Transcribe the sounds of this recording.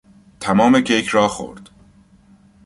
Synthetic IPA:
t̪ʰæmɒːmecʰejkʰɾɒːxo̰ɾd̪̥

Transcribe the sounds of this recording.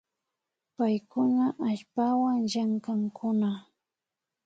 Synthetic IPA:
pajkʊnaʔaʎpawaŋʒaŋkaŋkʰʊna

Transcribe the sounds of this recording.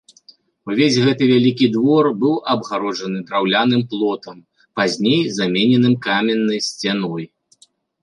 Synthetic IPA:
uvʲezʲɣɛt̪ɨvʲalʲikʲid̪vɔrbɨwʔɐbɣaɾɔd͡ʐɐnɨd̪ɾawlʲan̪ɨmplˠɔt̪ɐm | pazʲnʲejzamʲɛnʲɛnɨmkamʲɛnːɐjsʲt͡sʲanɔj

